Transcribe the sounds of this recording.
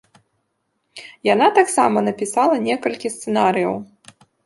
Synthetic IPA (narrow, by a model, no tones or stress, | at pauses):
jan̪at̪aksa̰mɐnɐpʲisalˠɐnʲɛkɐlʲkʲist̪sɛnaɾɨjɐ̰w